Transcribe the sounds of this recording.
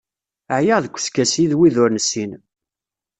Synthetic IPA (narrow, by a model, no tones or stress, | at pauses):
əʕjəʁðəkʷːə̥skæsiðwiðʊɾnəsːin